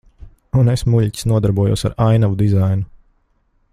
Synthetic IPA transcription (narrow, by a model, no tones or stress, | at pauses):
unesmuʎʲcʲi̥snuɔd̪aɾbuɔjṵːsaɾajnavud̪izajnu